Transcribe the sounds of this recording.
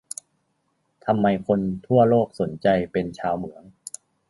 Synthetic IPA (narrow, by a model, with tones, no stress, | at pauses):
t̪ʰa˧mːa˧jkʰo˧nt̪ʰu˥˩ɐloː˥˩k̚so˩˦nt͡ɕa˧jpe˧nt͡ɕʰaː˧wmɯ˩˦əŋ